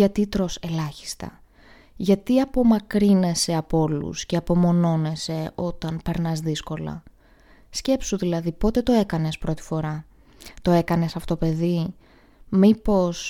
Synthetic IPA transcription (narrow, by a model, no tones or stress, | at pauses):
ɐt̪it̪ɾo̞se̞lɐçi̥st̪ɐ̰ | ʝɐt̪iɐpo̞mɐkɾine̞se̞ɐpo̞lṵsceɐpo̞mo̞no̞ne̞se̞o̞t̪ɐnpe̞ɾnɐzðisko̞lɐ̰ | sce̞psuðilɐðipo̞t̪e̞t̪o̞e̞kɐne̞spɾo̞t̪i̥fo̞ɾɐ | t̪o̞e̞kɐne̞sɐfo̥t̪ope̞ði | mipo̞s